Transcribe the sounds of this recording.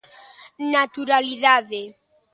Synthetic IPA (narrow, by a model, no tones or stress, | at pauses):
nat̪uɾaliðaðe